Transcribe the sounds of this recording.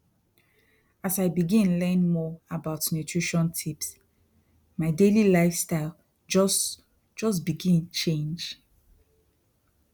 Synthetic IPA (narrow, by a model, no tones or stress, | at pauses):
asaɪbiɡĩnlɛ̃nmɔabaʊtnutʰɹiʃɔ̃ntʰips | maɪdelilaɪfstaɪl | d͡ʒɔs | d͡ʒɔsbiɡĩnt͡ʃẽnd͡ʒ